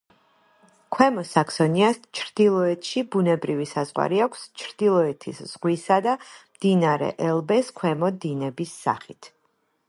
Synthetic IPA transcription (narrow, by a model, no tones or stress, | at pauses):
kʰwɛmɔsakʰsɔniast͡ʃʰɾd̪̥ilˠɔɛt̪ʰʃibunɛbɾivisazʁwa̰ɾiakʰst͡ʃʰɾd̪̥ilˠɔɛt̪ʰḭsz̥ʁwisad̪amd̪̥inaɾɛ̰ʔɛlˠbɛskʰwɛmɔd̪inɛbisːa̰χit̪ʰ